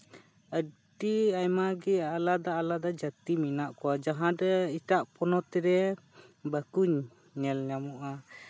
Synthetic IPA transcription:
ə | ɖiajmaɡɛalad̪aːlad̪ad͡ʒət̪iminaʔkɔwad͡ʒaɦãɖɛiʈaʔpɔnɔt̪ɛɾɛ | bəkuɲ | ɲɛlɲamuʔa

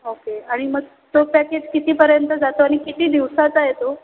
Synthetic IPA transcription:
okeaɽ̃iməɡ | t̪opæked͡ʑkit̪iːpəɾjənt̪əd͡zat̪oaɽ̃ikit̪iːd̪iʋsat͡sajet̪o

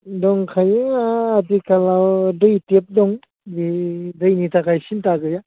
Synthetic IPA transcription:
dɔŋkʰajɯŋaːtikalawdɯjtep̚dɔŋ | didɯjnitakajsintaɡɯja

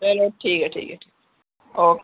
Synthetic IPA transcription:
eloʈʰːiːkəʈʰḭːkəʈʰiːk | oːk

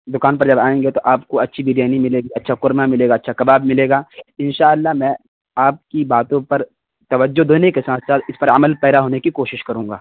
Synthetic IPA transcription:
d̪ʊkaːnp̬ɐɾd͡ʒɐbaːẽːŋɡet̪oʔaːpkoɐtːʃʰibɪd̪jaːnimɪleːɡiɐtːʃʰakʊɾmamɪleːɡaːɐtːʃʰakɐbaːbmɪleːɡaːɪnʃaːəlːaɦmɛ̃ | aːp̚kibaːt̪õpɐɾ | t̪ɐʋəd͡ʒːod̪oːnekesaːt̪ʰsaːt̪ʰɪspɐɾɐməlpɛːd̪aɦoːnekikoːʃɪʃkɐɾũːŋɡaː

